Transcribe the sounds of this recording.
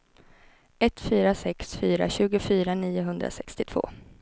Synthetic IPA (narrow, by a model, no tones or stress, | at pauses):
ɛt̪fyːɾasɛksfyːɾa̰ɕʉ̟ːɡʊfyːɾaniːʊɦɵnd̪ɾa̰sɛkst̪ɪt̪ʰv̥o̰ː